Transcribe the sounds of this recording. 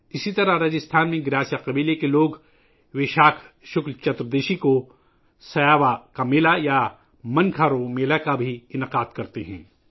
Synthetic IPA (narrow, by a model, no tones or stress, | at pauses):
ɪsit̪ɐɾaɦɾɐd͡ʒɪst̪ʰaːnmẽɡɪɾaːsijaqɐbiːlekeloːɡ | ʋeːʃaːkʰ | ʃʊklt͡ʃɐt̪ɾd̪eːʃiko | sɐjaːʋakamɪlaja | mɐ̃nkʰaːɾomeːlakabʱiɪnəqaːd̪kɐɾt̪eɦɛ̰̃ː